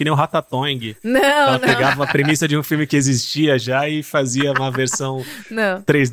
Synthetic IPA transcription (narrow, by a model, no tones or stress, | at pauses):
ɪnẽj̃ʊɦat̪at̪õj̃ɡɪnɐ̃ɛlɐpeɡavɐ̃mɐpɾemisɐd͡ʒɪũfiwmɪkɪezist͡ʃiɐʒaɪfaziɐũmɐveɾsɐ̃w̃nɐ̃w̃t̪ɾejz